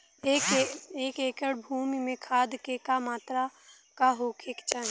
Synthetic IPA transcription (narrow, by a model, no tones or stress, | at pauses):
ekeːkeːkəɽbʱuːmimẽkʰaːd̪kekamaːt̪ɾa | kaɦoːkʰeːkt͡ʃaːn